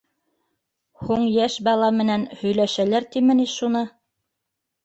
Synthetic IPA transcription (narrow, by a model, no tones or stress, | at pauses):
huɴjæʃbɑlˠɑmɘ̆nænhɵ̆jlæʃælæɾt̪imɘ̆niʃunɤ